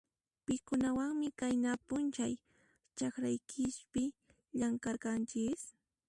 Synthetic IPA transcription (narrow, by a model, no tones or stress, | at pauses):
pɪkʊnawaŋmɪkajnapʊnt͡ʃaj | t͡ʃakɾajkʰɪʃpɪ | ʎaŋkaɾkant͡ʃɪs